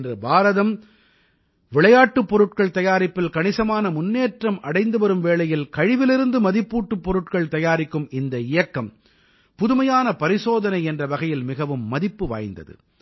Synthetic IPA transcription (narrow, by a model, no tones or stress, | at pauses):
ndrɯbaːɾɐðɐm | ʋɪɭɐjaːʈːɯpːɔɾɯʈkɐɭt̪ɐjaːɾɪpːɪlkɐɳɪsɐmaːnɐmʊnːeːʈrɐmɐɽɐɪnd̪ɯʋɐɾɯmʋeːɭɐjɪlkɐɻɪʋɪlɪɾɯnd̪ɯmɐðɪpːuːʈːɯpːɔɾɯʈkɐɭt̪ɐjaːɾɪkːɯmɪnd̪ɐɪjɐkːɐm | pʊðɯmɐjaːnɐpɐɾɪsoːðɐnɐɪɛndrɐʋɐɣɐjɪlmɪɣɐʋɯmːɐðɪpːɯʋa̰ːjnd̪ɐ̰ðɯ̰